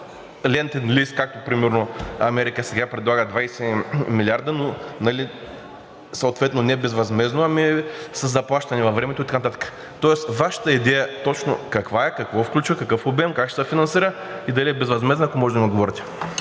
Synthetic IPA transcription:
lʲɛnt̪ɛnliskak̚t̪opɾimɛɾnoɐmɛɾikəsɛɡapɾɛd̪lˠaɡəd̪vajsɛmilʲiaɾd̪ənonɐli | sɐoːt̪vɛt̪nonɛɛbɛzvɐzmɛznoɐmisəzːɐplˠaʃt̪ɐnɛvɐfvɾɛmɛt̪oit̪ɐkanɐt̪at̪ə̥kə̥ | t̪ɔɛsvaʃə̥t̪əid̪ɛjət̪ɔt͡ʃno̰kɐkvaɛkɐkvɔfklʲut͡ʃvəkɐkɤfobɛmkakʃsfinɐnsiɾə | id̪ɐliɛbɛzvɐzmɛznɐaːkomɔʒɛd̪mid̪ɡovɔɾɐt̪ʲɛ̥

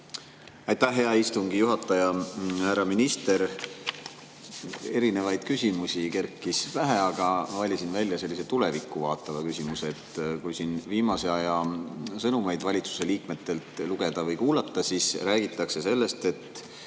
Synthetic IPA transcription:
ɑjt̪æhːe̞ɑist̪uŋɡijuɦɑt̪ːˑɑjɑhæɾɑminist̪e̞ɾ | e̞ɾine̞vɑjd̪̥kysʲimusʲike̞rkːˑisvæɦe̞ɑɡ̥ɑvɑlʲisinvælʲːjɑse̞lːise̞t̪ule̞vikːˑuvɑːt̪ːˑɑvɑkysʲimuse̞t̪kujsinviːmɑse̞ɑjɑsɤnumɑjd̪vɑlʲit̪su̥se̞liːkme̞t̪ːˑe̞lt̪luɡ̥e̞d̪̥ɑvɤjkuːlɑt̪ːˑɑsisræːɡ̥it̪ːˑɑkse̞se̞lːe̞st̪e̞t̪ː

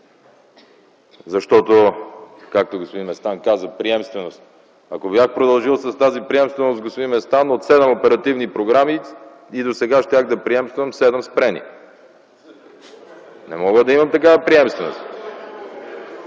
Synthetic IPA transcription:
zɐʃt̪ɔt̪okak̚t̪oɡospod̪inmɛst̪ankazəpɾiɛmst̪vɛnost̪ | ɐkobjaxpɾod̪ɐlˠʒilˠsɐst̪azipɾiɛmst̪vɛnosɡospod̪inmɛst̪anot̪sɛd̪ɛmopɛɾɐt̪ivnipɾoɡɾami | id̪osɛɡaʃt̪ʲjaxd̪ɐpɾiɛmst̪vəmsɛd̪ɛmspɾɛnḭ | nɛ̰mɔɡəd̪ɐimɐmt̪ɐkavəpɾiɛmst̪vɛno̰st̪

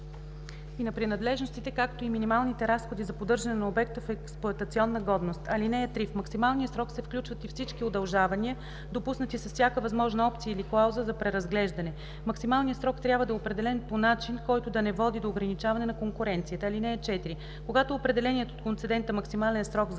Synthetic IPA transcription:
inɐpɾinɐd̪lɛʒnost̪it̪ɛkakt̪oiminimalˠnit̪ɛɾasxod̪izɐpod̪ɤɾʒɐnɛnɐobɛk̚t̪əfɛksplˠoɐt̪ət̪siɔnːəɡɔd̪nost̪ɐlinɛɛt̪ɾifmɐksimalˠnijəsɾɔksɛfklʲut͡ʃvət̪ifsit͡ʃkiod̪ɐlˠʒavɐniə | d̪opusnət̪isɐsfsʲjakəvɐzmɔʒnɐɔp̚t̪sijəiliklˠawzəzɐpɾɛɾɐzɡlɛʒd̪ɐnɛ | mɐksimalˠnijəsɾɔkt̪ɾjabvəd̪ɐɛopɾɛd̪ɛlɛnponat͡ʃinkɔjt̪ʊd̪ɐnɛvɔd̪id̪oːɡɾɐnit͡ʃavɐnɛnɐkoŋkuɾɛnt̪sijət̪əːlinɛːt͡ʃɛt̪iɾi | koɡat̪oːpɾɛd̪ɛlɛniɛt̪oːt̪kont̪sɛd̪ɛnt̪əmɐksimalɛnsɾɔɡz

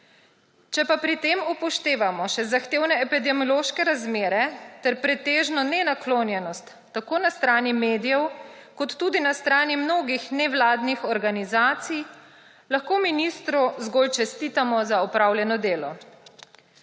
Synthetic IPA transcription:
t͡ʃɛpapɾit̪eːmupɔʃt̪eːʋamɔʃɛzaxt̪eːwnɛɛpid̪ɛmɔloːʃkɛɾazmeːɾɛt̪ɛɾpɾɛt̪eːʒnɔnɛnakloːnjɛnɔst̪ːakoːnast̪ɾaːnimeːd̪ijɛwkɔt̪ːud̪inast̪ɾaːnimnoːɡixnɛʋlaːd̪nixɔɾɡanizaːt̪sij | laxkoːminist̪ɾuzɡolt͡ʃɛst̪it̪amɔzaɔpɾawljɛnɔd̪eːlɔ̰

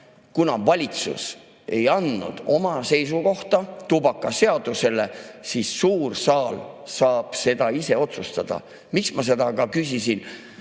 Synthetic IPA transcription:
kunɑvɑlʲit̪sṵs | e̞jɑnːṵd̪̥o̞mɑse̞jsuko̞ht̪ɑt̪ubɑkːˑɑse̞ɑd̪̥use̞le̞sisːuːrsɑːlsɑːb̥se̞d̪̥ɑise̞o̞t̪sust̪ɑd̪̥ɑ̰ | miksmɑs̬e̞d̪̥ɑkɑkys̬ʲisin

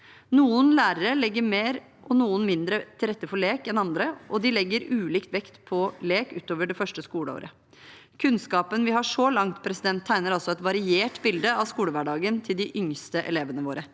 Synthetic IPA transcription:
nuːənlæːɾəɾəlɛɡːəɾmeːɾ | ʔɔnuːənmɪnd̪ɾət̪ʰɪlɾɛt̪ːəfɔɭeːkɛnɑnd̪ɾəʔɔd̪ɪlɛɡːəɾʉːliːkt̪ʋɛkt̪pʰɔleːkʉ̰ːt̪oːʋəɖɛfœʂʈəskuːləo̰ːɾʔə | kʰʉnskɑːpənʋɪhɑʂɔlɑŋt̪pʰɾɛsɪd̪ɛnt̪ʰːæɪnəɾɑlsɔɛt̪ʋɑɾɪeːʈbɪld̪əɑʋskuːləʋæɖɑːɡənt̪ʰɪld̪ɪʔʏŋst̪əʔɛ̰leːʋənəʋoːɾə

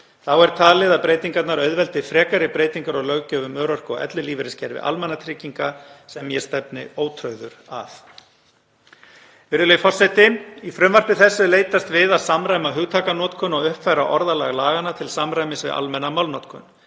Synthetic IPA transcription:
θawɛɾ̥t̪ʰaːlɪðaðpɾeːjt̪iŋkat̪naɾœɥðvɛlt̪ɪfɾɛːkaɾɪpɾeːjt̪iŋkaɾɔɣlœɣcœːvʏmœːɾɔr̥kɔɛ̰t̪lʏliːvɪɾɪscɛɾvɪ̰ʔa̰lmɛnat̪ʰɾɪciŋkasɛmjɛst̪ɛpnɪ̰oːwt̪ʰɾœɥðʏɾa̰θ | vɪɾðʏlejfɔr̥sɛt̪ɪifɾʏmvar̥pɪθɛsːʏleːjt̪ast̪vɪðaðsamɾajmaɦʏɣt̪ʰaːkanɔːt̪kʰʏnɔɣʏhpfajɾaʔɔɾðalaɣlaːɣanːat̪ʰɪlsamɾajmɪsvɪ̰ða̰lmɛnːamawlnɔt̪kʰʏn

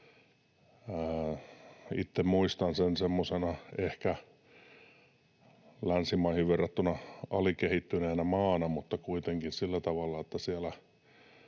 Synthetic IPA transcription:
it̪ːemmuist̪ɑnsensemːosenɑehkæ | lænsimɑihiʋʋerːɑt̪ːunɑɑ̰likehit̪ːyneːnæmɑːnɑmut̪ːɑkuit̪eŋkinsilːæt̪ɑʋɑlːɑet̪ːæsiælæ

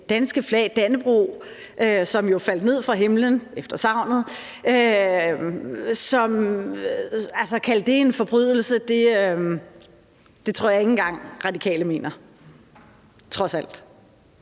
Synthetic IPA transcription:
d̥ænsɡ̥əflɛ̰ɪd̥ænəb̥ʁṵ | ʔøsɒ̽mjo̝fæl̰d̥ne̝ð̞̰ˠfʁɑ̈ɦe̝mlənefd̥ɐsɑ̈ʊ̰nð̩ˠ | ø | sɒ̽m | ælsɐkʰæld̥e̝e̝nfɒ̽b̥ʁyð̞ˠl̩səd̥e̝øm | d̥e̝t͡sʰʁo̝ɐ̰jɑ̈eŋn̩ɡ̥ɑ̈ŋ̰ʁɑ̈dikʰɛ̰ːləme̝̰ːnɐ | t͡sʰʁɒ̽sæl̰d̥

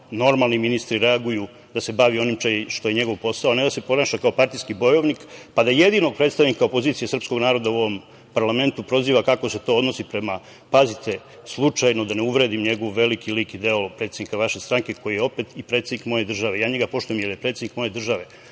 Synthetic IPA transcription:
no̞ɾmalˠniminist̪ɾiɾe̞aɡuju | d̪ase̞baʋio̞nimʃoʃt̪o̞je̞ɲe̞ɡo̞ʋpo̞saoned̪ase̞po̞naːʃakao̞paɾt̪ijskibo̞jo̞ʋnikpad̪aje̞d̪ino̞ɡ̚pɾe̞t̪st̪aʋnikaopo̞ziːt̪sijesr̩psko̞ɡnaːɾo̞d̪auo̞ʋo̞m | paɾlˠame̞nt̪upɾo̞ziːʋakakose̞t̪o̞od̪no̞sipɾe̞ma | pazit̪ʰe̞ | slˠut͡ʂajno̞d̪aneuʋɾe̞d̪imɲe̞ɡo̞ʋːe̞likilikid̪e̞opɾet̪sed̪nikaʋaʃe̞st̪ɾaŋke̞ko̞jijeo̞pe̞t̪ipɾe̞t̪sed̪nikmo̞je̞d̪r̩ʒaʋejaːɲeɡapo̞ʃt̪ujemjeljepɾet̪sed̪nikmo̞je̞d̪r̩ʒaʋe

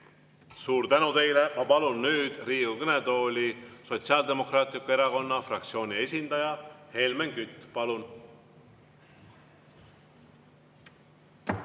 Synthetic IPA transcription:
suːɾt̪ænut̪e̞jlemɑpɑlunːyːd̪̥riːɡukɤned̪o̞ːlʲiso̞t̪siɑld̪e̞mo̞krɑːt̪ˑlikːue̞ɾɑko̞nːɑfrɑkt̪sio̞ːnʲie̞s̬ʲind̪̥ɑjɑhe̞lmenkyt̪ːˑpɑlun

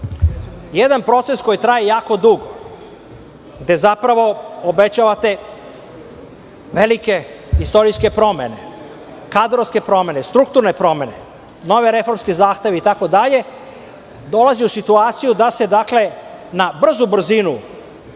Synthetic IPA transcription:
jed̪anpɾo̞t̪se̞sko̞jit̪ɾajijaːko̞d̪uɡo | ɡd̪e̞zapɾaʋo̞obe̞t͡ɕaʋat̪e̞ | ʋelike̞ | ist̪o̞ɾijske̞pɾo̞me̞ne̞̰ | kad̪ɾoske̞pɾo̞me̞nest̪ɾuk̚t̪uɾne̞pɾo̞me̞ne̞ | no̞ʋeɾe̞fo̞ɾmskizaːxt̪e̞ʋeit̪ako̞d̪aʎe̞ | d̪o̞laziusit̪uaːt̪sijud̪ase̞d̪akle̞nabr̩zubr̩zinu

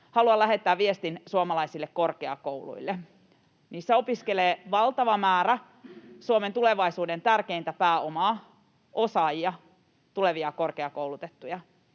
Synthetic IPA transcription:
hɑluɑlæɦe̞t̪ːæːʋʋiest̪insuomɑlɑisilːekko̞rkeɑ̰kowlṵilːe | niːnseo̞piskeleːʋɑlt̪ɑʋɑmæːɾæ | suoment̪uleʋɑisuːdent̪ærkeint̪æpæːomɑː | ʔosɑjiɑ | t̪ule̞ʋiɑko̞rkeɑkowlut̪et̪ːujɑ

